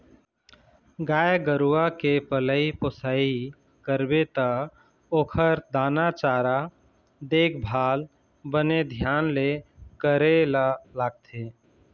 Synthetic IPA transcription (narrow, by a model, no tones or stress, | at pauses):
ɡaːjɡəɾuakepələiposaːi | kəɾbet̪ə | oːkʰəɾd̪aːnat͡ʃaːɾa | d̪eːkʰbʱaːl | bəned̪ʱjaːnlekəɾelalaːɡ̚t̪ʰe